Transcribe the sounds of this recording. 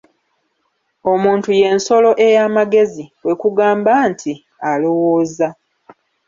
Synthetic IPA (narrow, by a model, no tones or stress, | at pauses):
o̞muːntuje̞nso̞lo̞ʔe̞jaːmaɡe̞ziwe̞kuɡaːmbaːntʰi | alo̞woːza